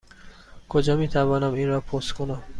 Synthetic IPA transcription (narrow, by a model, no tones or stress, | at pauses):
kʰod͡ʒɒːmiːt̪ʰævɒːnæmiːnɾɒːpʰost̪kʰonæm